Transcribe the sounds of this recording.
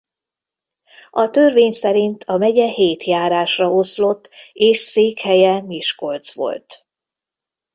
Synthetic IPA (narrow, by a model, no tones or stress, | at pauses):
ɒt̪ørveːɲsɛɾint̪ʰɒmɛɟɛheːt̪jaːɾaːʃrɒoslo̞t̪ːeːʃseːkhɛjɛmiʃko̞lt̪sʋo̞̰lt̪